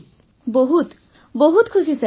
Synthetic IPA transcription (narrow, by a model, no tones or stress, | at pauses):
boɦut̪ | boɦut̪kʰusisa